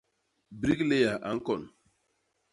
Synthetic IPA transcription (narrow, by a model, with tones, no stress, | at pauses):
bɾi˦kle˦ja˨ʔa˨ŋ̩˦kɔ˨nʊ˨